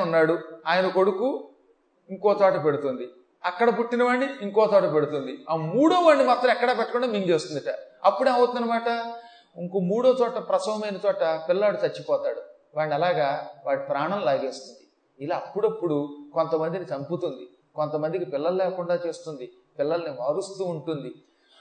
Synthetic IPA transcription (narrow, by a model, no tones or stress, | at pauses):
unːaːɽuaːjɐnɐko̞ɽuku | iŋkɔːt̪ɔːʈɐpeɽut̪und̪i | ɐkːɐɽɐpuʈːinɐʋaːɳːiiŋkɔːt̪ɔːʈɐpeɽut̪und̪iamuːɽoːʋaːɳːimaːt̪ɾɐ̃mɛkːɐɽaːpɛʈːɐkɔɳɖaːmiŋd͡ʒeːst̪und̪iʈa̰ɐpːuɽeːɐwt̪unɐnɐmaːʈɐ | uŋkoːmuːɽoːt͡ʃɔːʈɐpɾɐsɐʋɐmɐjnɐt͡ʃ̪ɔːʈɐpilːaːɽut̪ɐt͡ʃːipɔːt̪aːɽu | ʋaːɳːɐlaːɡaːʋaːɽipɾaːɳɐmlaːɡeːst̪und̪i | ilaːɐpːuɽɐpːuɽuko̞nt̪ɐmɐnd̪init͡ʃɐmput̪und̪i | kont̪ɐmɐnd̪ikipilːɐlɐlɛːkuɳɖaːt͡ʃe̞ːst̪und̪i | pilːɐlɐniʋɐːɾust̪uːɳʈund̪i